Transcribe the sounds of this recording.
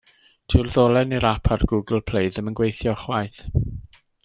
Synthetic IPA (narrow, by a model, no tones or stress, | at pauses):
tʰɪrðolˠɛniɾapʰarɡʊɡl̩ˠpʰl̥ejðəmənɡwejθjɔχwajθ